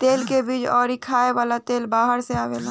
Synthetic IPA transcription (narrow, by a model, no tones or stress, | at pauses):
t̪eːlkebiːd͡ʒɔːɾikʰaːeʋaːlat̪eːlbaːɦəɾseaːʋḛlaː